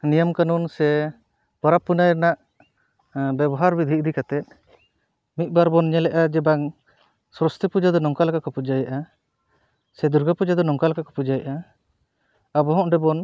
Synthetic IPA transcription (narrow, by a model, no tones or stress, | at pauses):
nijɔmkanunsɛ | pɔɾapːunajɾnaʔ | bɛbɔɦaɾbid̪ʱiʔd̪ʱikat̪ɛt̪̚ˀ | mit̪̚baɾbɔnɲɛlɛʔad͡ʒɛbaŋ | sɾɔst̪ʰipud͡ʒad̪ɔnɔŋkalakakɔpud͡ʒajaʔa | sɛd̪uɾɡʱapud͡ʒad̪ɔnɔŋkalakakɔ̥pud͡ʒajaʔa | abɔɦɔ̃ʔɖɛbɔn